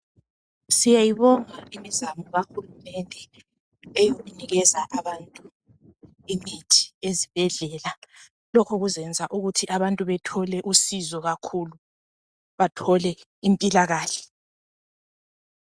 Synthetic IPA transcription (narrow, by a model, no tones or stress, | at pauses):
sijajiβɔŋaimizamɔɣaxulumɛndʱɛ | ejoɣuniɣɛzaʔaβantʼu | imitʰi̥ezib̥ʱɛɮɛːla | lɔkʰɔɣuzɛnd͡zʱaʔuɣutʰiʔaβantʼuβɛtʰɔlɛʔusizɔɣakʰulu | βatʰɔlɛ | impʼilaɣaːɬɛ̥